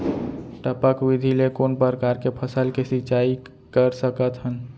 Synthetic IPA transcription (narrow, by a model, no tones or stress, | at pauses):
ʈəpəkwid̪ʱilekonpəɾəkaɾkepʰəsəlkesit͡ʃai | kəɾsəkət̪ɦən